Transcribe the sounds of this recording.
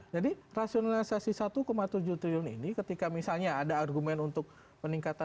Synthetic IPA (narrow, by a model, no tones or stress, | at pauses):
d͡ʒadirasionalisasisat̪ukomat̪ud͡ʒut̪ɾilʊnḭnikət̪ikamisalɲaːdaːrɡumɛnunt̪ʊk̚ | pəniŋkat̪a